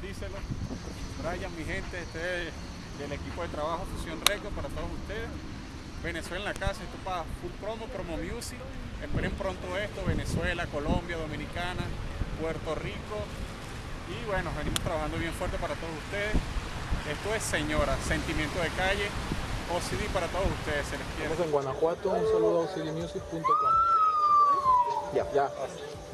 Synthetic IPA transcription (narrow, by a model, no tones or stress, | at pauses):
d̪iselo | ɾajaŋmiɦe̞nt̪eest̪oe | d̪ele̞kipo̞ðe̞t̪ɾaβaxofusjo̞nre̞kopaɾat̪o̞ðosust̪e̞ðe̞s | be̞ne̞swelenlakasaeht̪opafulpɾo̞mopɾomomjusi | espe̞ɾempɾo̞nt̪oe̞st̪oβe̞neswe̞lako̞lo̞mbjaðo̞mĩnikanapwe̞ɾt̪o̞riko̞ | iβwe̞noβe̞nimo̞st̪ɾaβahand̪o̞βje̞ɱfwe̞ɾt̪e̞paɾat̪o̞ð̞osust̪e̞ð̞ese̞st̪o̞e̞sːe̞ɲo̞ɾase̞nt̪imjent̪oð̞ekaʝe̞osiðipaɾat̪o̞ðosust̪e̞ðeselespjeseŋɡwanakwat̪ounsaluðoausiðimjusikpunt̪okom | aa